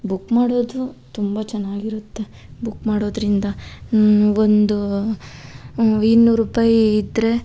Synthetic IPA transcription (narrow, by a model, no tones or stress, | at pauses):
bukːmaːɽoːd̪ut̪umbɐt͡ʃɛnːaːɡiɾut̪ːe̞ | bukːmaːɽo̞ːd̪ɾind̪ɐ | ond̪u | inːuːɾuːpaːjid̪ɾe̞